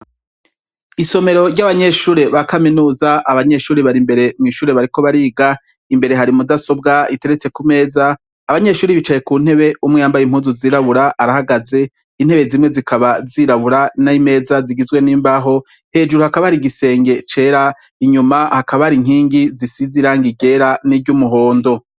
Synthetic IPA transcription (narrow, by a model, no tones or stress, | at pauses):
iso̞me̞ɾo̞ɾɟaβaɲe̞ʃuːɾe̞βakaminuːzaʔaβaɲe̞ʃuːɾeβaɾimbe̞ɾe̞mŋiːʃuːɾe̞βaɾiko̞βaɾiːɡa | imbe̞ɾe̞ɦaɾimudaso̞bɡaite̞ɾet͡se̞kume̞ːzaː | βaɲe̞ʃuːɾiβit͡ʃaje̞kuːn̥e̞βe̞umŋejambajim̥huːnzuziːɾaβuɾaaɾahaɡaze̞ | in̥e̞βe̞zimŋe̞zikʰaβaziɾaβuɾanaime̞ːzaziɡizɡwe̞niːmbaɦo̞ | he̞ːd͡ʒuɾuhakaβahaɾiɡise̞ːŋɡe̞t͡ʃe̞ːɾa | iɲumahakaβahaɾiŋ̥iːŋɡizisiziɾaŋɡiɟe̞ɾaniɟumuɦo̞ːndo̞